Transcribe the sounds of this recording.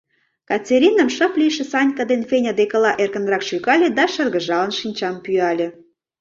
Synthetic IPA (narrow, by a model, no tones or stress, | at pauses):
kɑt͡sʲeɾinə̆mʃə̆pliʃĕsɑnʲkəd̪enfenʲad̪ekə̆lɑʔerkə̆nrɑkʃykɑlʲĕd̪ɑʃə̆rɣə̆ʒɑlənʃinʲt͡ɕɑmpyɑlʲĕ